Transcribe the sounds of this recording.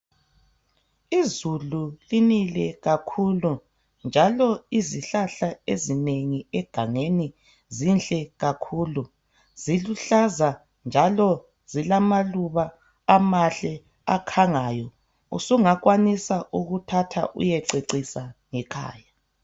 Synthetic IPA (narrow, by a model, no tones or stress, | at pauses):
izululinilɛɣakʰulu | nd͡ʒʱalɔiziɬaɬaezineŋiɛɡ̥ʱaŋeni | zind͡ɮʼɛɣakʰuːlu | z̥iluɬaza | nd͡ʒʱalɔ | zilamaluβa | amaɬɛ | akʰaŋajɔ | ṵsuŋaɣwanisaʔuɣutʰatʰa̰ʔṵjɛǀeǀisaŋɛkʰa̰ːja